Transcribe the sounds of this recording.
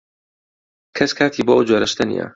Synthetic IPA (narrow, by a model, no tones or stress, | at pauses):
kʰɐskʰaːt̪ʰiːboʔod͡ʒoɾɐʃt̪ɐnḭjɐ̰